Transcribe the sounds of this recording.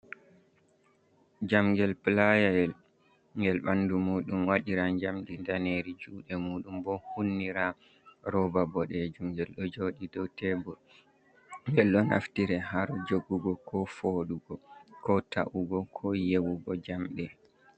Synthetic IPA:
d͡ʒamɡɛlplajaɛl | ŋɡɛlɓandumuːɗumwaɗiɾaɲd͡ʒamdindaneɾid͡ʒuːɗɛmuːɗumbɔhunːiɾa | ɾɔbabɔɗɛd͡ʒumɡɛlɗɔd͡ʒoɗidɔwtɛbɔl | ŋɡɛlɗɔna̰ftiɾɛhaɾd͡ʒoɡːuɡɔkʰɔfoɗuɡɔkɔtaʔuɡɔkʰɔjewuɡɔd͡ʒamɗɛ

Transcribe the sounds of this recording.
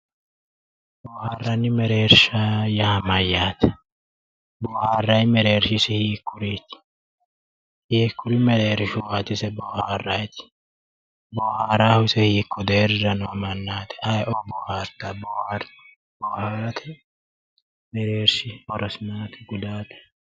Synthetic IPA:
bɔːhaːrːɐnːɪmɛɾe̞ːɾʃajɐhɐmɐjːaːt̪ɛ̥ | bɔːhaːrːɐjmɛɾe̞ːɾʃɪsɪhiːkːʊɾit̪ɪ̥ | hiːkːʊɾɪmɛɾeːɾɪʃʊwaːt̪ːɪsɛbɔharːɐjt̪ɪ̥ | bɔːhaɾaːhʊsɛhiːkːɔd̪eːɾɪɾɐnʊɐmɐnːaːt̪ɛ̥ʔɐjʔɔbɔːhaɾt̪abɔːhaɾ | bɔːhaɾɐt̪ɛ | mɛɾeːɾʃɪhɔɾɔsɪnaːt̪ɛ̥ɡʊd̪aːt̪ɛ̥

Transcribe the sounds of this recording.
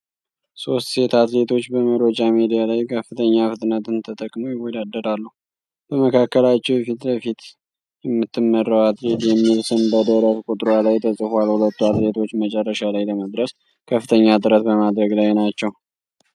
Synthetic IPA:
so̞st̪se̞t̪ʰat̪le̞t̪ʰo̞t͡ʃːbəməɾod͡ʒʼamed̪ijalajkʰəfːɨt̪ʰəɲːafɨt̪ʼɨnət̪ɨnt̪ʰət̪ʼəkʼmojɪwːɔd̪ad̪ːəɾalːəh | b̥əməkʰakːəlat͡ʃːɛwfit̪bəfit̪ | jɛmːɨt̪ːɨmːərːawat̪let̪jɛmːilsɨnbəd̪əɾət̪kʼut̪ʼɾalajt̪ʰəsʼɨfalhulət̪ːuat̪le̞t̪ʰo̞t͡ʃːmət͡ʃʼɛrːəʃalajləməd̪ɾəs | kʰəfːɨt̪ʰəɲːat̪ʼɨɾət̪bəmad̪ɾəɡlajnat͡ʃːɛw

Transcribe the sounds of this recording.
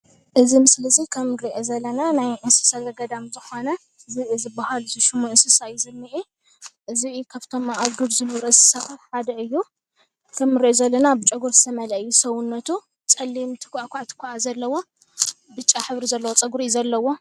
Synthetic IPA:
ʔɨzimɨslɨzikʰɐmɾiʔozɐlːɐnanajʔɨnsɨ̥sazɐɡɐd̪amzɨxo̞nɐ | ɨzɨɨzɨbahalzɨʃɨmuɨnsɨsajizɨmːiʔi | ʔɨzikʰaβt̪ʰo̞maʔaβɡɨɾzɨnɨβɾɐɨsɨ̥saxɨfħad̪ɐɨjːu | kʰɐmːɨɾiʔozɐlːɐnabɨt͡ʃʼɐɡuɾzɨt̪ʰɐmɐlɐʔɨjːusɐwʊnːɐt̪ʰu | t͡sʼɐlːimt̪ʰɨ̥kʰʷʔakʷʰat̪ʰɨ̥kʰuʔazɐlːɐwo̞ | bɨt͡ʃʼːaħɨβɾizɐlːɐwot͡sʼɐɡuɾizɐlːɐwo̞

